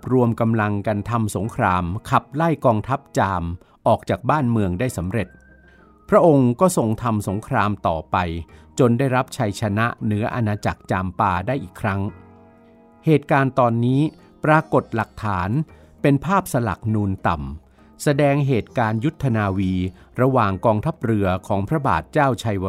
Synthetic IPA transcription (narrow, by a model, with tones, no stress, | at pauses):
p̚ɾu˧əmka˧mla˧ŋka˧nt̪ʰa˧mso˩˦ŋkʰɾaː˧mkʰa˨˩p̚la˥˩jkɔː˧ŋt̪ʰa˦˥p̚t͡ɕaː˧m | ʔɔː˨˩k̚t͡ɕaː˨˩k̚baː˥˩nmɯ˧əŋdaː˥˩jsa˩˦mɾe˨˩t̪̚ | pʰɾa˦˥ʔo˧ŋkɔː˥˩so˨˩ŋt̪ʰa˧mso˩˦ŋkʰɾaː˧mt̪ɔː˨˩pa˧jt͡ɕo˧ndaː˥˩jɾa˦˥p̚t͡ɕʰa˧jt͡ɕʰa˧na˦˥ʔnɯ˦˥ɐʔa˧naː˧t͡ɕa˨˩k̚t͡ɕaː˧mpaː˧daː˥˩jʔiː˨˩kʰɾa˦˥ŋ | heː˨˩t̪̚kaː˧nt̪ɔː˧nːiː˦˥ | pɾaː˧ko˨˩t̪̚la˨˩k̚t̪ʰaː˩˦n | pe˧npʰaː˥˩p̚sa˧la̰˨˩k̚nuː˧nt̪a˨˩m | sa˧dɛː˧ŋɦeː˨˩t̪̚kaː˧nju˦˥t̪ʰːa˧naː˧wiː˧ | ɾa˧waː˨˩ŋkɔː˧ŋt̪ʰa˦˥p̚ɾɯ˧ɐkʰɔː˩˦ŋpʰɾa˦˥ba̰ː˨˩t̪̚t͡ɕaː˥˩wt͡ɕʰa˧j